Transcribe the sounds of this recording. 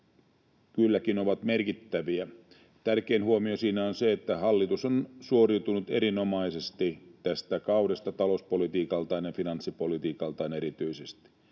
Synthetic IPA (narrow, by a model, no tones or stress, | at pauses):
kylːækino̞ʋɑt̪merkit̪ːæʋiæ | t̪ærkeːnhuomio̞siːnæonseet̪ːæhɑlːit̪usonsuoriut̪unut̪ḛɾino̞mɑisest̪it̪æst̪ækɑwdest̪ɑt̪ɑlouspo̞lit̪iːkɑlt̪ɑinjɑfinɑnsːipo̞lit̪iːkɑlt̪ɑːneɾit̪yisest̪i̥